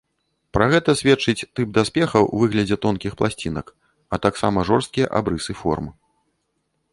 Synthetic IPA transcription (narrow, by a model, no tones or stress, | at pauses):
pɾɐɣɛt̪ɐsʲvʲɛt͡ʂɨt͡sʲt̪ɨp̚d̪aspʲɛxɐwvɨɣlʲɐd͡zʲɛt̪ɔnkʲixplˠasʲt͡sʲinɐ̰k | ɐt̪aksamɐʐɔrst̪̚kʲijɛ̰ʔa̰bɾɨsɨfɔ̰rmɨ